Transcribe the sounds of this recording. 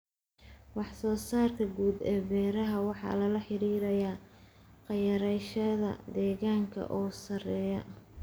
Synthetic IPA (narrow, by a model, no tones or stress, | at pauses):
wɑħsɔːsaːrt̪ʰɐɡuːd̪ɛːbɛːɾɐɦɐwɑħɑ̰ːlɐlɐħɪɾiːɾɐjaː | qɑjɐɾɛjʃɐðɐ̰d̪ɛːɣaːŋkʰɐ̰ʔɔːsɐrɛːjɐ̰